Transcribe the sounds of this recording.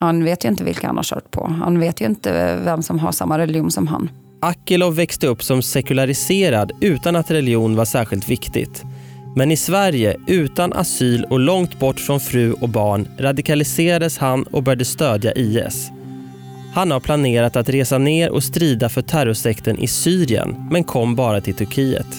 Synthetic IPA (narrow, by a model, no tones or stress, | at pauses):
hanveːt̪jɵɪnt̪əvɪ̰lka̰ha̰nha̰ɾʂœ̰ːʈ̚pʰɔ̰ha̰nveːt̪jɵɪnt̪ə̰vɛmsɔmɦa̰ʂa̰mːaɾɛlɪuːnsɔmɦa̰n | ʔakːəlɔvːɛkst̪əɵpːsɔmsɛkɵlaɾɪseːɾad̪ʉ̟ːt̪anat̪ɾɛlɪuːnvaʂæːɾɧɪlt̪vɪkt̪ɪ̰ɡt̪ | mɛnɪsvæɾjəʔʉ̟ːt̪anʔa̰syːlɔlɔŋt̪bɔʈːfɾɔnfɾʉ̟ːʔɔbɑːɳɾad̪ɪkʰalɪseːɾad̪əshanɔ̰bœjɖəst̪øːd̪ja̰ʔiːɛ̰s | hanhaɾpʰlaneːɾat̪at̪ɾeːsaneːɾʔɔ̰st̪ɾiːd̪afœʈʰæɾɔʂɛkt̪ənʔɪ̰syːɾɪə̰nmɛnkʰɔmːbɑːɾat̪ʰɪlt̪ʰɵɾkʰiːə̰t̪